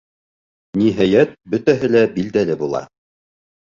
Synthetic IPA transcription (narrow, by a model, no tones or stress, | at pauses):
niɦæjæt̪̚bɵ̆t̪æɦɘlæbild̪ælɘbulˠɑ̰